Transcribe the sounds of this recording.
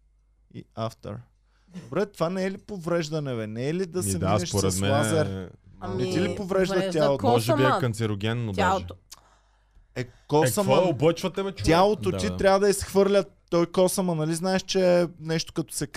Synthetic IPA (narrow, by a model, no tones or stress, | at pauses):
ḭaft̪ə̰ɾ | d̪obɾɛt̪ovanɛɛlipovɾɛʒd̪ɐnɛvɛnɛːlid̪ɐsɛvd̪inɛʃoɾɛsmɛnazɛɾnɛt̪ilipovɾɛʒd̪ɐjalˠot̪ɔʒjakɐnt̪sɛɾoɡʲɛnnoaɛ | ɛkɔsɐməobət͡ʃvɐt̪ɛmɛt̪ʲjalˠot̪ot̪iɾʲjavəd̪ɐisxvɤɾlʲɐt̪ːɔjkɔsɐmɐnɐliznaɛʃt͡ʃɛnɛʃt̪o̥kɐt̪ɔ̥sɛk